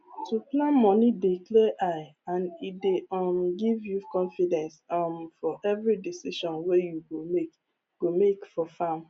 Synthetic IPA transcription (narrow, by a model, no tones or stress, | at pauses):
tuplãnmɔ̃nidiklɛʔaɪãnideɔ̃mɡivjukɔ̃nfidɛ̃nsɔmfɔʔɛvɹidisiʃɔ̃nwejuɡomek | ɡ̥omekfɔfãm